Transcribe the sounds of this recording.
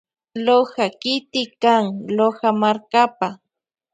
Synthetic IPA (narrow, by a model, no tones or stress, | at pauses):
lohakɪt̪ɪkaŋlohamaɾkapa